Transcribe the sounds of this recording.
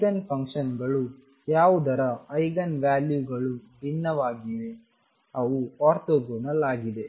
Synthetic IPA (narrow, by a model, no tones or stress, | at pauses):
ɡɐnpʰɐŋkʂɐnɡɐɭu | jaːʋud̪ɐɾɐɐjɡɐnʋjaːljuɡɐɭub̪ʱinːɐʋaːɡiʋe | ɐʋuaːɾt̪oːɡoːnɐlaːɡid̪e̞